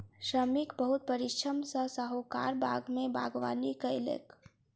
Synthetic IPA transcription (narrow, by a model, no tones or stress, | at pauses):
ʃɾəmikbəɦʊt̪̚pəɾɪt͡ʃʰəmsəsəɦoka̰ːɾbʱaːɡmẽbʱa̰ːɡʋa̰ːnikaɪlḛːk